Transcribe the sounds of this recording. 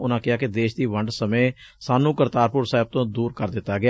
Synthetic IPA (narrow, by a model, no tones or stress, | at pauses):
ʊnãːkɪaːkɪd̪eːʃd̪iːʋəɳɖsəmẽːsaːnũːkəɾt̪aːɾpʊɾsaːɦɪb̚t̪õːd̪uːɾkəɾd̪ɪt̪ːaːɡɪa